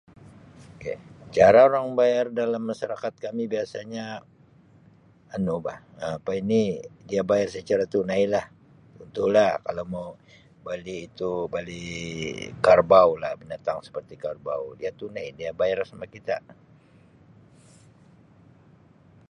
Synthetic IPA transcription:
oket͡ʃaɾaoɾaŋbajardalamːaʃaɾakat̪̚kamibiasaɲa | nuba̰həapainidiabajarsət͡ʃaɾat̪unajlah | unt̪ulahkalama | baliːt̪ubali | karbaulahbinat̪aŋsə̥pərt̪ikarba̰wdiat̪unajdiabajarsamakit̪a̰

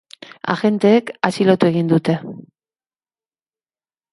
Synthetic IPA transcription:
a̰xe̞nt̪e̞ːkasilo̞t̪ue̞ɣ̞ind̪ut̪e̞

